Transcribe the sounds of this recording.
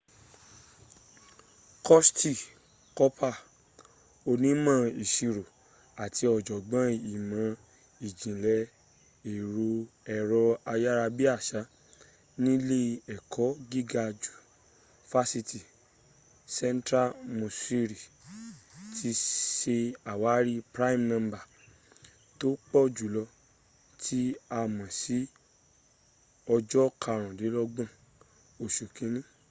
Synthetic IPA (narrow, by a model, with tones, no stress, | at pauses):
kɔ˦sti˦˨ | kɔ˦pʰa˦˨ | o˧nĩ˨˦mã˦˨i˨ʃi˧ɾo˨ | a˨tʰi˧˦ɔ˨d͡ʒɔ˨ɡ͡bã˨˦i˨mã˨˧˦ | i˨d͡ʒĩ˨lɛ˧˦ | i˨ɾu˧ɛ˧ɾɔ˧a˧ja˦ɾa˧bi˦a˦˨ʃa˨˦ | nĩ˦le˦ɛ˨kʰɔ˨˦ɡi˦ɡa˧d͡ʒu̥˨ | fa˦si˧ti˨ | sɛ̃˦n˦tɾa˦mũ˨si˧ɾi˨ | tʰi˧ʃe˧a˨wa˨˦ɾi˦pɾa˦i˦˨mnã˧mba˨ | to˦k͡pɔ˦d͡ʒu˨lɔ˧ | tʰi˦a˧mɔ̃˨si˨˦ | ɔ˧d͡ʒɔ˦kʰa˧˨ɾ̃ã˨de˨˦lɔ˦ɡ͡bã˦˨ | o˨ʃu˨kĩ˨˦nĩ˦